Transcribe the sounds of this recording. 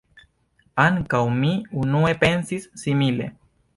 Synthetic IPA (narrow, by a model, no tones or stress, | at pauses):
aŋkawmiunuepensisːimilḛ